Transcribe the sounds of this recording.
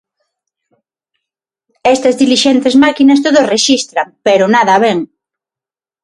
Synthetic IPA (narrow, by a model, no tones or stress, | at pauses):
ɛst̪ɐzðiliʃent̪ezmakinɐst̪oðʊsreʃist̪ɾɐmpeɾʊnaðɐaβeŋ